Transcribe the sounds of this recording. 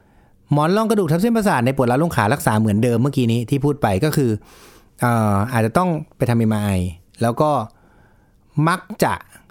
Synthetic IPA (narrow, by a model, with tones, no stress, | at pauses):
mɔː˦˥nlɔː˥˩ŋkɾa˧du˨˩t̪ʰa˦˥pse˥˩pa˧s̬aː˨˩t̪̚na˧jpu˨˩t̚la˦˥loː˥˩ŋkʰaː˩˦lɾa˦˥k̚saː˩˦mɯ˩˦əndɤː˧mːɯ˥˩ɐkiː˧˥niː˦˥t̪ʰiː˥˩pʰuː˥˩t̪̚pa˧jkɔː˥˩kʰɯː˧ | ʔɤː˨˩ʔaː˨˩t͡ɕa˨˩t̪ɔ˥˩ŋpa˧jt̪ʰa˧mi˧jmaː˧ʔa˧j | lɛː˦˥wkɔː˥˩ | ma˦˥k̚t͡ɕa̰˨˩ʔ